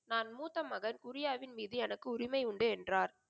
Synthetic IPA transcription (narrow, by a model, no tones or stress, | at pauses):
naːnmuːt̪ːɐmɐɣɐnkʊɾɪjaːʋɪnmiːðɯɛnɐkːɯʊɾɪmɐɪʊɳɖɯɛndraːɾ